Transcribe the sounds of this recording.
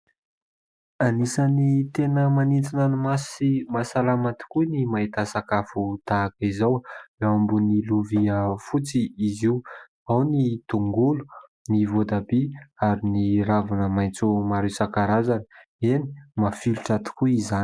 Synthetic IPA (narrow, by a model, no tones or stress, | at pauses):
anisanit̪enəmanint͡sinanimasimasalamat̪i̥kunimait̪asakafut̪aːkizaweambuniluviəfut͡siːziu | awnit̪uŋɡulu̥nivod̪abiaɾiniɾavanəmajnt͡sumaɾesakaɾazanə̥ | eni̥mafiluʈ͡ʂat̪i̥kuizan